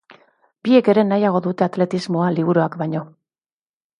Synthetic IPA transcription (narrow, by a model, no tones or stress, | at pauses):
bie̞ke̞ɾe̞najaɣ̞o̞ðut̪e̞at̪le̞t̪izmo̞aliβ̞uɾuakbajɲo̞